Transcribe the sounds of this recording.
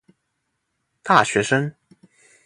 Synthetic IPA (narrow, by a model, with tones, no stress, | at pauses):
t̪a˥˩ɕɥɛ˧˥ʂə˥ŋ